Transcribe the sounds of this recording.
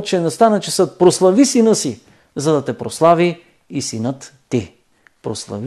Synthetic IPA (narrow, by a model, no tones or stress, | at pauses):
t͡ʃɛnɛst̪anət͡ʃɛsət̪̚pɾoslˠɐvisinəsi | zɐd̪ɐt̪ɛpɾoslˠaviː | sinət̪ːi | pɾoslˠɐ̰v